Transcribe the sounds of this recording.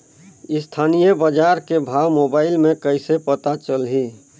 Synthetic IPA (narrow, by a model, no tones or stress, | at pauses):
ɪst̪ʰaːnijəbəd͡ʒaɾkebʱawmobaːɪlmẽkəɪsepət̪at͡ʃəlɦi